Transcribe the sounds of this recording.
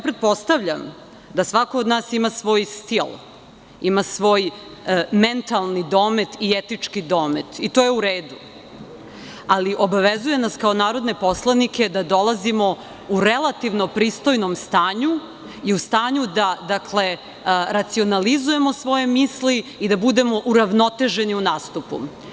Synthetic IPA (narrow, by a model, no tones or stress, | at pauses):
japɾet̪̚po̞st̪aʋʎam | d̪asʋakoːd̪naːsimasʋo̞ːjst̪il | imasʋo̞ːj | ment̪alˠnid̪o̞ːme̞t̪iet̪it͡ʂkid̪oːmet̪it̪oːjeuɾeːd̪u | aliʔo̞baʋezuje̞naskao̞naːɾo̞d̪ne̞po̞slˠanike̞d̪ad̪o̞lazimo̞ | uɾelˠat̪iʋno̞pɾiːst̪o̞jnomst̪aːɲu | iust̪aːɲud̪ad̪akle̞ | ɾat̪sio̞nalizuje̞mo̞sʋo̞je̞misliid̪abud̪e̞mo̞ʔuɾaʋno̞t̪e̞ʒe̞niunaːst̪upṵ